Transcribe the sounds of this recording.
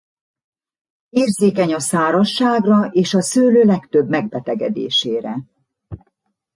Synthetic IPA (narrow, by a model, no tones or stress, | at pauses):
eːrzeːkɛɲɒsaːɾɒʃːaːɡrɒeːʃɒsøːløːlɛkt̪øbmɛɡ̚bɛt̪ɛɡɛd̪ḛːʃeːɾɛ